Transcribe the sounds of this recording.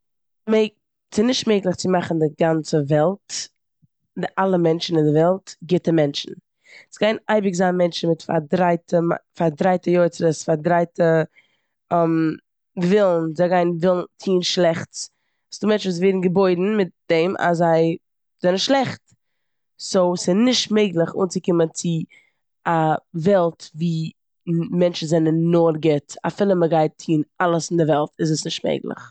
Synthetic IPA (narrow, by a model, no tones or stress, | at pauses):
me | sɪnɪʃtmeɪklˠɪχt͡sɪmaχn̩dɪɡant͡səvɛlˠt | dɪʔalˠəmɛnt͡ʃn̩ɪndɪvɛlˠtɡɪtəmɛnt͡ʃn̩ | sɡaɪnaɪbɪkzaːnmɛnt͡ʃn̩mɪtfa̰dɾaɪtʰəmafaɾdɾaɪtəjoɪt͡səɾəsfaɾdɾaɪtə | m | vɪlˠn̩zaɪɡaɪnvɪlˠn̩tʰiːnʃlˠɛχt͡s | sduːmɛnt͡ʃuːs̬veːdn̩ɡəboɪdn̩mɪt̚d̥ɛmʔa̰szaɪ | zɛnəʃlˠɛχt | sosɪnɪʃtmeɪɡlˠəχṵːnt͡sɪkɪmənt͡sɪ | avɛlˠtviː | mɛnt͡ʃn̩zɛnənːoːɾɡɛtafɪlˠəməɡaɪtʰiːnalˠəsɪndɪvɛlˠtɪz̬əsnɪʃt̚mḛɪɡlˠɪ̰χ